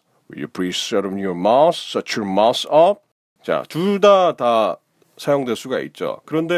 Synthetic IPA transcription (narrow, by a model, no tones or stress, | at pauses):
wḭṵplisʌɾʌmjɔmassʌt͡ɕʰomasʌp̚ | t͡ɕa̰tudata | sʰajoŋdweɭs͈uɡaḭt̚t͡ɕ͈o̰kɯɾʌnde̞